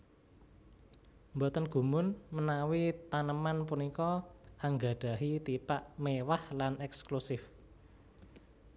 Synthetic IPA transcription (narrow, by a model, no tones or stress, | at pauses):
mbɔt̪ənɡ̥ṳmʊnmənawit̪anəmanpunikɔʔaŋɡa̤ɖ̥a̤ɦit̪ipaʔmewahlanɛksklusɪf